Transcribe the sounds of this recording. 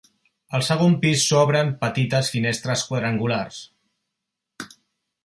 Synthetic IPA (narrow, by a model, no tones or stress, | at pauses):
əlˠsəɣ̞ompisːɔβɾəmpət̪it̪əsfinest̪ɾəskwəðɾəŋɡulars